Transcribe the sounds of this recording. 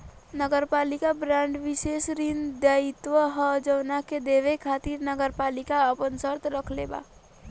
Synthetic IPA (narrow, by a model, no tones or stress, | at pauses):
nəɡəɾpaːlikabɾãːɳɖʋɪʃeːsɾind̪jait̪wəɦəd͡ʒəʋnaked̪eːʋekʰaːt̪iɾnəɡəɾpaːlɪkaəpənsəɾt̪ʰɾəkʰleba̰ː